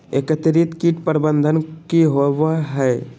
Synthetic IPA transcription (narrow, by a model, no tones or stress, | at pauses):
ekət̪ɪɾit̪kiʈpəɾbə̃nd̪ʱənkiɦowaɦɛː